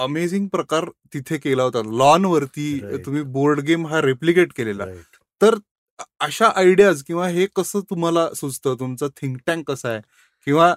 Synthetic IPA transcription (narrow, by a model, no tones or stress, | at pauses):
əmed͡ziŋɡ̚pɾəkaɾt̪it̪ʰekelaɦot̪at̪lɔnʋəɾt̪iːt̪um̤iːboɾɖɡemɦaɾeplikeʈkelela̰ | t̪əɾ | əɕaʔaiɽijad͡zkĩw̃ʋaɦekəsəːt̪um̤alasut͡st̪ət̪umt͡sat̪ʰĩŋkʈãŋkːəsae | kĩw̃ʋa